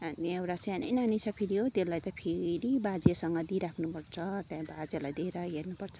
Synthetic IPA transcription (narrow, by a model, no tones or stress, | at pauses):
aniewɾasanʌ̰jnanit͡sʰʌpʰiɾiɦot̪elːajt̪ʌpʰeɾibad͡zesʌŋɡʌd̪iɾakʰnupʌrt͡sʰʌt̪jãbad͡zelajd̪ʱeɾʌɦernupʌrt͡sʰʌ̥